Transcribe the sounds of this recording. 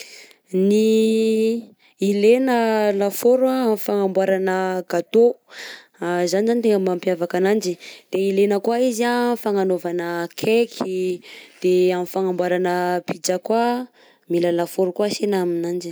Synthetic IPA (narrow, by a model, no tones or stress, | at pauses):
ni | ilenəlafoɾwaamifaŋambwaɾanəɡat̪o | zanizanit̪eŋəmampiavakanand͡ʒid̪̥eilenəkuaiziafaŋanovanəkʰekʰid̪̥eamifaŋambwaɾanəpid͡ʒakwa | miləlafoɾukuasenaaminand͡ʒi